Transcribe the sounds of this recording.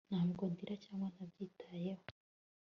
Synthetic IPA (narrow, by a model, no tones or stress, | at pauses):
n̥aːmɡondiɾacaːmanabɟiːtʰajeho